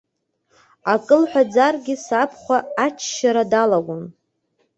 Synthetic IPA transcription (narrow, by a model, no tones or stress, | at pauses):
akʼɨlħʷᶣad͡zarɡʲɪsapʰχʷaːt͡ʃʰʃaɾadalaɡʷʊn